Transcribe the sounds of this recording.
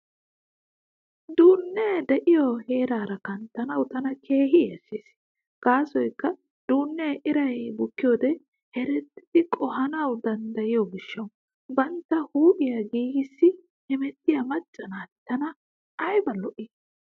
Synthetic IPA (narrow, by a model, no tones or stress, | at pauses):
d̪uːnːɛd̪ɛʔɪjɔhe̞ːɾaːɾɐkɐnt̪ːɐnɐwt̪ɐnɐkʰe̞ːhɪɛsːis | ɡ̥aːsɔjkːɐ | d̪̥uːnːɛʔɪɾɐjbʊkːɪjoːd̪ɛ | hɛɾɛt̪ːɪ̥ɪkʼɔɦɐnɐwd̪ɐnd̪ɐjɪjɔɡɪʃːɐw | bɐnt̪ːɐhuːʔɪjɐɡiːɡɪsːɪ | hɛmɛt̪ːɪjɐmɐt͡ʃʼːɐnaːt̪ːɐnɐ | ʔɐjbɐlɔʔɪ